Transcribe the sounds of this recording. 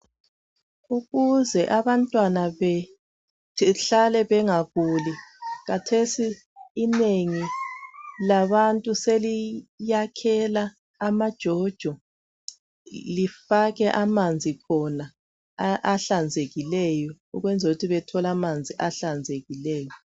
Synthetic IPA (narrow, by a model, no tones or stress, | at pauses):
uɣuzɛʔaβantʼwanaβɛ | ɬalɛβɛŋaɣuliɣatʰesiː | neŋi | laβantʼuselijakʰɛlaː | mad̥ʒ̥ʱɔd̥ʒ̥ʱɔ | lifaɣɛʔamand͡zʱikʰɔna | ʔaɬand͡zʱeɣilɛjɔ | ṵɣwɛnd͡zʱoɣutʰiβɛtʰɔlamand͡zʱiʔaɬand͡zʱeɣilɛːjɔ